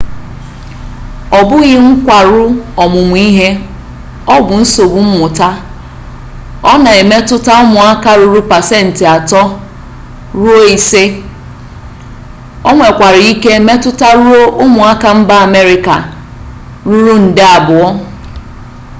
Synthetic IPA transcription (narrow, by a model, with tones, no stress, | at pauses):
ɔ˨bʊ˦ɣɪ˦ŋ̩˦kʷa˨ɾʊ˦ɔ˨mʊ˨mʷ˨˦i˦ɦe˦ | ɔ˦bʊ˨n̩˦so˨bʊ˨m̩˦mʊ˨ta˦ | ɔ˦na˨e˨me˦tʊ˦ta˦ʊ˦mʊ˨a˦ka˦ɾu˦ɾu˦pa˨se˦˨n̩˨tɪ˨a˨tɔ˦ | ɾu˦o˦i˨se˦ | o˦ŋʷe˨kʷa˨ɾi˦ke˦e˦me˦tʊ˦ta˦ɾu˦o˦ʔʊ˦mʊ˨a˦ka˨m̩˦ba˦a˨me˦ɾɪ˨ka̰˨ | ɾu˦ɾu˦n̩˨dɪ˦a˨bʊ˨ɔ˦